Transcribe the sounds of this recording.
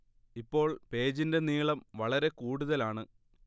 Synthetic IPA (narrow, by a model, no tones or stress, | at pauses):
ipːo̞ːɭpe̞ːd͡ʑinde̞niːɭɐmʋɐɭɐɾe̞kuːɽuðɐlaːɳɨ